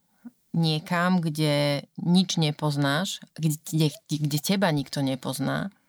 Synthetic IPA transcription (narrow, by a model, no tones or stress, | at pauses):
ɲɪɛkamɡɟɛɲid͡ʒɲɛpɔznaʃɡɛɡɟɛcɛbaɲikt̪ɔɲɛpɔzna̰ː